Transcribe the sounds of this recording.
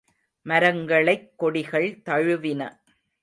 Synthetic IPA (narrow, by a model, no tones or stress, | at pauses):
mɐɾɐŋɡɐɭɐɪkːɔɽɪɣɐɭt̪ɐɻɯʋɪnɐ̰